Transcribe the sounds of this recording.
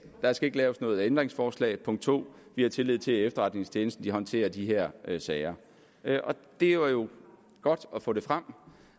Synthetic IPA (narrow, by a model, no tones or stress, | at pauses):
d̥ɑ̈sɡ̥æe̝ɡ̥əlɛːʊsnɔ̽ːð̩ˠend̥ʁeŋsfɒːslɛ̰ɪpʰɔ̽ŋ̰̥d̥t͡sʰo̝̰ːʋihɑ̈t͡sʰe̝lːið̰ˠt͡sʰe̝efd̥ɐʁɑ̈d̥ne̝ŋst͡ɕʰjeːnəsd̥n̩d̥iɦɒ̽nt͡sʰe̝̰ːɐd̥iɦeɐ̰ʔsɛːɪɐ | ʔɒ̽d̥e̝ʋɑ̈jo̝ | ɡ̥ɒ̽d̥ɒ̽fɔ̰ːd̥e̝fʁam̰